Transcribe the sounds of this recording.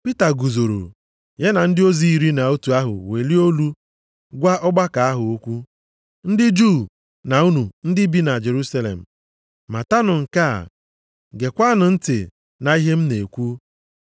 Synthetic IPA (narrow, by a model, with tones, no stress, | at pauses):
pi˦ta˨ɡu˨zo˨ɾo̰˨ | je˦na˨n̩˦dɪ˦o˦zi˦i˨ɾi˦na˨o˦tu˨a˦ɦʊ̰˨we˨li˦o˦lu˦ | ɡʷa˦ʔɔ˦ɡ͡ba˦ka˨a˦ɦʊ˨o˦kʷu˦ | n̩˦dɪ˦d͡ʒu˦˨ | na˨u˦nu˨n̩˦dɪ˦bi˦na˨d͡ʒe˨ɾu˦sa˦lḛ˨m̩˨ | ma˨ta˦nʊ˨ŋ̩˨ka̰˦˨ | ɡe˨kʷa˦nʊ˨n̩˦tɪ̰˨ | na˨i˦ɦe˦m̩˦ne˨kʷu˦